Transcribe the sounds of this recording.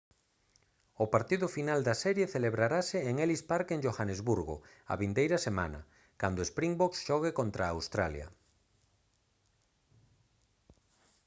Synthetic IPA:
ʊpaɾt̪iðʊfinald̪asɛɾjeθeleβɾaɾasɪeŋelispaɾkeŋʒoxanezβuɾɣʊ̰ | a̰βind̪ejɾɐsema̰nɐ̰ | kand̪oespɾiŋbɔksʃɔɣ̞ekont̪ɾaːwst̪ɾaljɐ̰

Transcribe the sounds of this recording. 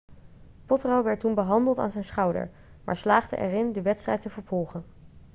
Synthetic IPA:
pɔtrowʋɛɹt̚unbəɦɑndəlˠta̰ːnzɛjnsχɑwdə̰ɹ | mʔa̰ːɹslaːχdə̰ʔɛ̰rɪndəʋɛtstrɛjtəvəɹv̥ɔlˠχən

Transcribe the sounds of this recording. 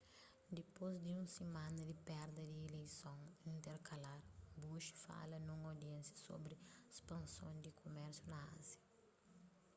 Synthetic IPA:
d̪ipozd̪iũsemãnɐd̪ipɛɾd̪ɐd̪ielejsõŋĩnt̪eɾkʰɐlaɾbuʃi̥fa̰lɐnũŋod̪iɛ̃nsjɐso̰bɾiespɐ̃nsõnd̪ikʰomɛɾsjunɐã̰zjɐ

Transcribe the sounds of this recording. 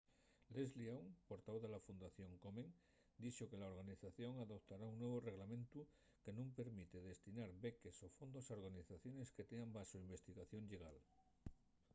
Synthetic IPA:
lezliawŋpo̞ɾt̪aβoðelafund̪aθjo̞ŋkomẽŋ | d̪it͡ʃoke̞laoɾɣ̞aniθaθjo̞ŋaðo̞pt̪aɾauŋnwe̞β̞ore̞ɣlamẽnt̪u | ke̞nõmpe̞ɾmit̪eð̞e̞st̪inaɾβeke̞so̞fo̞nd̪osaoɾɣaniθaθjo̞ne̞ske̞t̪eambasoimbe̞st̪iɣaθjo̞ŋʎeɣal

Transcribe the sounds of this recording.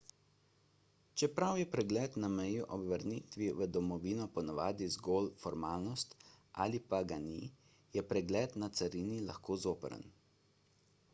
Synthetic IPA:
t͡ʃɛpɾawjɛpɾɛɡlɛːt̪namɛjuʔɔbʋəɾnit̪ʋiʋəd̪ɔmɔʋiːnɔpɔnaʋaːd̪izɡoːlfɔɾmaːlnɔst̪ | ʔa̰ːlipaɡani | jɛpɾɛɡlɛːt̪nat̪saɾiːnila̰xkoːzoːpə̰ɾə̰n

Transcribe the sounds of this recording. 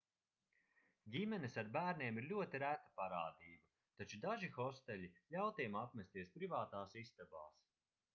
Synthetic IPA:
ɟʲimɛnisaɾbæːɾnʲiɛːmiɾlʲuɔt̪iɾæt̪ːḁpaɾaːd̪iːba | t̪at͡ʃud̪aʒixɔst̪ɛʎʲilʲawt̪eɛmapmʲɛst̪iɛspɾivaːt̪aːsist̪aba̰ːs

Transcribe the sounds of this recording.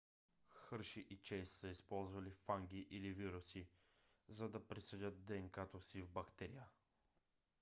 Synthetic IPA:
xɤɾʃiʔit͡ʃɛssəispɔlˠzvɐlifaŋɡʲiʔiliviɾʊsi | zɐd̪ɐpɾisɛdʲət̪̚d̪ɛŋkat̪osivbɐkt̪ɛɾijə

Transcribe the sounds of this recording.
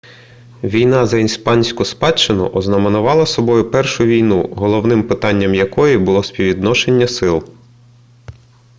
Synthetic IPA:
ʋʲijnɑzɐinspɑnʲsʲkʊspɑt͡ʃːɪnʊ̰ʔɔznɐmenʊʋɑlˠɐsɔbɔjʊpɛrʃʊʋʲijnuɦɔlˠɔwnɪmpɪt̪ɑnʲːɐmjɐkɔjibʊlˠɔsʲpʲiʋʲid̪nɔʃe̞nʲːɐsɪlˠ

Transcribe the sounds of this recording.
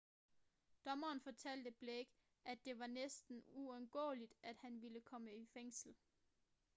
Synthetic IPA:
d̥ɒ̽mɐːnfɒ̽t͡sʰæl̰d̥əb̥leɡ̥ | ʔæd̥e̝ʋɑ̈nesd̥n̩uɔnɡ̥ɔ̰̽ːlid̥ʔæd̥hænʋiləkʰɒ̽məifeŋ̰sl̩

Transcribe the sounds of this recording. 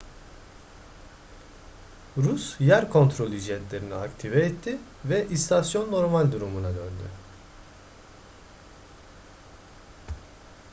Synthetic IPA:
ɾusjæɾkʰo̞nt̪ɾo̞lʲid͡ʒiɛt̪lʲe̞ɾiniakt̪ʰivɛːt̪ʰːi | vɛʔist̪ʰasjo̞nːo̞ɾmalʲd̪uɾumunad̪ønd̪y̰

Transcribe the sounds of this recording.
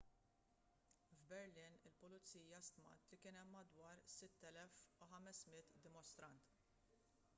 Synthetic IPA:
vbɛɾlɪːnɪlpʊlʊt͡sːiːjɐst̪mɐ̰t̪likɪːnɛmːɐd̪wɐːɾsɪt̪ːɛlɛfuħɐmɛsmɪt̪d̪ɪmɔst̪ɾɐnt̪

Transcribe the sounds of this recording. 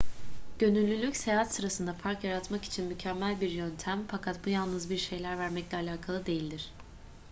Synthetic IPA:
ɟ̥ø̞nylʲːylʲːycsejaat̪sɯɾasɯnd̪afaɾkjaɾat̪maki̥t͡ʃʰinmycʰæmːælʲbiɾjønt̪ʰæmfakʰat̪bujalˠnɯzbiɾʃe̞jlʲæɾvæɾmɛclʲɛalʲaːkʰalˠɯd̪e̞jilʲd̪iɾ̝̥

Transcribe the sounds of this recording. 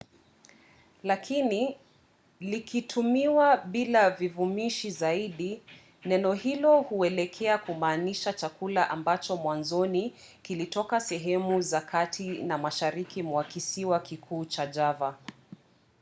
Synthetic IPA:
lakʰini | likʰitʰumiwaɓilavivumiʃizaiɗi | nɛnɔhilɔhuɛlɛkʰɛakumaːniʃat͡ʃakulaʔambat͡ʃɔmwanzɔni | kilitɔkasɛɦɛmuzakʰatʰinamaʃaɾikimwakisiwakikʰuːt͡ʃad͡ʒava

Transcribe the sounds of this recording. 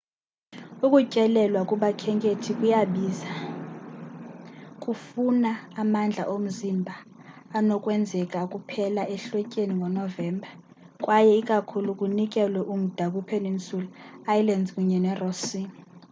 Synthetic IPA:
ukʼucʼɛlɛlwakʼuɓakʰɛŋkʼetʰikʼujaɓiːza | kʼufunaːmand͡ɮʱa̰ʔom̩zimbʱaː | nɔkʼwɛnd͡zʱɛkʼakʼupʰɛlaʔɛɬwɛcʼeniŋɔnɔvɛːmbʱa | kʼwajɛikʼakʰulukʼunik̬ʼɛlwɛʔum̩d̥ʱak̬upʰɛnent͡sʼulɔajlandkʼuɲɛnɛrɔsiːni

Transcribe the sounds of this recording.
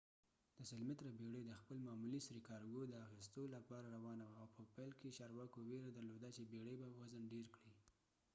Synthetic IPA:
d̪̥əsɪlmɪt̪ɾabeɽed̪əxpəlmɑmulisɾikɑɾɡod̪əaxist̪olapɑɾaɾawɑnawaːwpəpajlket͡ʃɑɾwɑkoweɾad̪aɾlod̪at͡ʃebeɽebawazənɖeɾkɽi

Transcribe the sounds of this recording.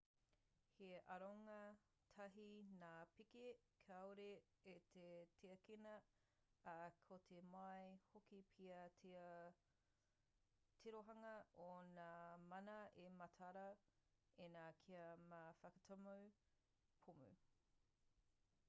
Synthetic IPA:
heʔɐɾoŋɐ | tʰɐɦinaːpikekʰɐwɾe | et̪ʰetʰeɐkenɐ | ɐkʰotʰemɐjhokipʰiɐ | tʰeɾoɦɐŋɐonaːmɐnɐʔemɐtʰɐɾɐ | enaːkʰiɐmafɐkɐtʰomɐw | pʰumʉ̰

